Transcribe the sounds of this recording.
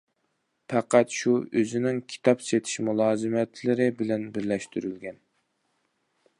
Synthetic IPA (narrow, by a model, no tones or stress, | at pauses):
pʰæqæt̪ʃuøzɪnɪŋkʲʰi̥t̪ʰɑpset̪ʰɪ̥ʃmulˠɑːzɨmɛt̪ʰlɪɾɪbɪlɛnbɪɾlɛʃt̪ʰyɾylɡʲɛn